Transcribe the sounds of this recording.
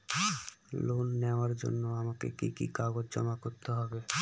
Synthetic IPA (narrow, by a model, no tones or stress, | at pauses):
lonːɛoaɾd͡ʑo̰nːoamakḛkikḭkaɡod͡ʑd͡ʑɔ̰makoɾt̪eɦɔbe